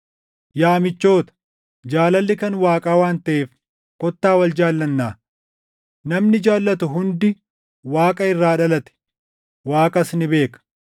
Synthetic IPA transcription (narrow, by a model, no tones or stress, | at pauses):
jaːmɪt͡ʃːo̞ːt̪ɐ̥ | d͡ʒaːlɐlːɪkɐnwaːkʼaːwaːnt̪ɐʔeːf | kɔt̪ːaːwɐld͡ʒaːlːɐnːaː | nɐmnɪd͡ʒaːlːɐt̪ʊɦʊnd̪ɪ | waːkʼɐɪrːaːᶑɐlɐt̪ɛ̥ | waːkʼɐsnɪbe̞ːkɐ̥